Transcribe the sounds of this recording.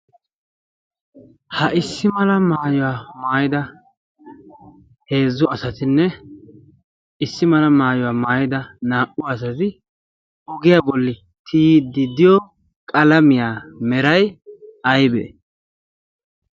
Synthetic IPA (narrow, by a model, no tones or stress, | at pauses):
hɐʔɪsːɪmɐlɐmaːjʊwaːmaːjɪd̪ɐ | he̞ːzːʊɐsɐt̪ɪnːɛ | ɪsːɪmɐlɐmaːjʊwaːmaːjɪd̪ɐnaːʔʊːs̬ɐt̪ɪ | ɔɡɪjaːbɔlːɪ | t̪ʰiːd̪ːɪd̪ɪjɔ | kʼɐlɐmɪjaːmɛɾɐjɐjbḛː